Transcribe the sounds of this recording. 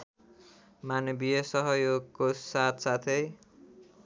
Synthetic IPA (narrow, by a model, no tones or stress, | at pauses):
manʌbiʌsʌɦʌjoɡkosat̪ʰsat̪ʰej